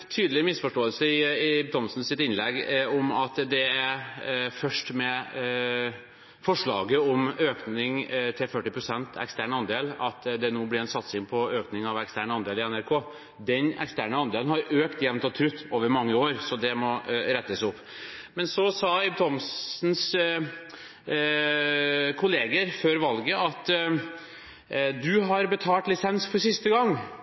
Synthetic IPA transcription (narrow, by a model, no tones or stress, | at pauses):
t̪ʰyːd̪əlɪmɪsfɔʂʈoːəlsəɪɪbt̪ʰɔmsn̩sɪt̪ɪnlɛɡɔmɑt̪d̪ɛæɾfœʂʈmɛ | fɔʂɭɑ̰ːɡəɔmøːknɪŋt̪ʰɪlfœʈːɪpʰɾʊsɛnt̪ʰɛ̰kst̪æːɳɑnd̪eːlɑt̪d̪ɛnoːblɪɾɛnsɑt̪sɪŋpʰɔøːknɪŋɑʋɛkst̪æːɳɑnd̪eːlɪɛnæɾkʰoː | d̪ɛnɛ̰kst̪æːɳəɑnd̪eːlnhɑɾøːkt̪jɛʋnt̪ɑt̪ʰɾʉt̪ːoːʋəɾmɑŋːəoːɾsɔd̪ɛmɔɾɛt̪ːəsʊpː | mɛnsɔsɑːɪb̚t̪ʰɔmsn̩s | kʰʊleːɡəɾføɾʋɑlɡəʔɑt̪ | d̪ʉɦɑɾbət̪ʰɑːlt̪lɪsɛnsfɔɾsɪst̪əɡɑŋː